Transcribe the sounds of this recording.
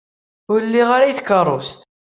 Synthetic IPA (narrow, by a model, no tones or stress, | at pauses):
ʊɾəlːiʁaɾajiθkərˤːost̪